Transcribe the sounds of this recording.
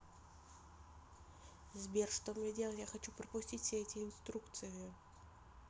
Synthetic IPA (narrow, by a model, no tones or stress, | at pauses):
zbʲerʂt̪obmʲnʲjedʲelˠətʲjaxɐt͡ɕupɾəpʊsʲtʲitʲfʲsʲeɛtʲɪɪnst̪ɾukt̪sɨjɪ